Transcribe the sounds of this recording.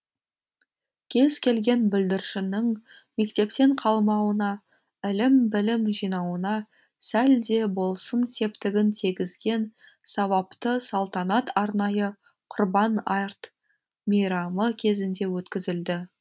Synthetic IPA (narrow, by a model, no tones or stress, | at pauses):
kʲʰe̞zkʲʰe̞lɡʲe̞nbʏld̪ɪɾʃɪnɪŋ | me̞kt̪e̞pt̪e̞ɴqʰɑlˠmɑwənɑ | ɪlɪmbɪlɪmʒijnɑwənɑ | sæld̪e̞bo̞lˠsənse̞pt̪ɪɡʲɪnt̪ʰiɡʲɪzɡʲe̞n | sɑβɑpt̪əsɑlˠt̪ɑnɑt̪ɑɾnɑjə | qʰʊrbɑnɑjrt̪ | mejɾɑməkʲʰe̞zɪnd̪e̞wɵt̪kʲɪzɪld̪ɪ